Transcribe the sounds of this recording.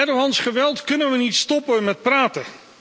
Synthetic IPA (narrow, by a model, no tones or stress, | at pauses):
ɛdəɦɑnsχəʋɛlˠtkɵnənʋənitstɔpəmɛt̚praːtə